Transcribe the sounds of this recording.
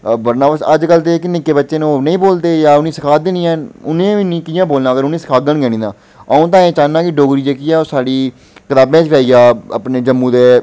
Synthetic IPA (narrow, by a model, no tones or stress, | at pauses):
bəɾnãːbəsəd͡ʒkəlt̪eːknɪkːeːbətːʃeːñːnəĩːboːld̪eːjaːʊnĩːsɪkʰaːd̪enĩːãːʊnẽːʋiːnĩːkɪjãːboːlnãːəɡəɾʊnĩːsɪ̥kʰaːɡəɳɡɛːɽ̃ĩːd̪ãː | əũːt̪̬ãːẽːt͡ʃaːnãːkɪɖoːɡɾiːd͡ʒeːkiːɛːoːsaːɽiː | kət̪aːbẽːt͡ʃkaːiːɡaːəpneːd͡ʒəmːũːd̪eː